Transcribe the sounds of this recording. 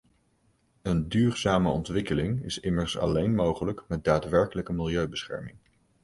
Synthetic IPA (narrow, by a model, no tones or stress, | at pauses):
əndyːrzaːməɔntʋɪkəlɪŋɪsɪməɹsɑ̰lejnmowχələkmɛd̚daːtʋɛɹkələkəmɪlˠjøɥbəsχɛ̰ɹmɪŋ